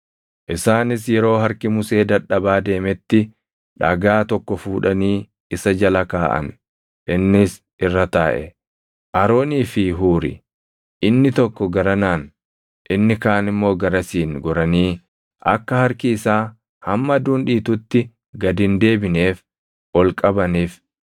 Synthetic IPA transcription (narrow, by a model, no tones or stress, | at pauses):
ʔɪsaːnɪs̬jɛɾo̞ːɦɐɾkɪmʊse̞ːd̪ɐᶑːɐbaːd̪e̞ːmɛt̪ːɪ | ᶑɐɡaːt̪ɔkːɔfuːᶑɐniː | ɪsɐd͡ʒɐlɐkaːʔɐ̰n | ʔɪnːɪs | ɪrːɐt̪aːʔɛ̰ | ʔɐɾoːniːfɪɦuːɾɪ̰ | ʔɪnːɪt̪ɔkːɔɡɐɾɐnaːn | ʔɪnːɪkaːnɪmːo̞ːɡɐɾɐsiːnɡɔɾɐniː | ʔɐkːɐhɐɾkɪːsaː | hɐmːɐd̪uːnᶑiːt̪ʊt̪ːɪ | ɡɐd̪ɪnd̪e̞ːbɪneːf | ʔɔlkʼɐbɐniːf